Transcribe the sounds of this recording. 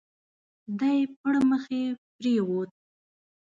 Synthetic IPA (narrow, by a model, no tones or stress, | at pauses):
d̪ajpəɽməxepɾeɣot̪̚